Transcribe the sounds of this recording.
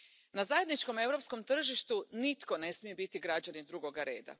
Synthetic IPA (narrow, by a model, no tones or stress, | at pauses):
nazaje̞d̪nit͡ʃko̞me̞ʋɾo̞psko̞mt̪r̩ʒiʃt̪unit̪ko̞ne̞smije̞bit̪iɡɾad͡ʑanid̪ɾuɡo̞ɡaɾe̞̰ːd̪a̰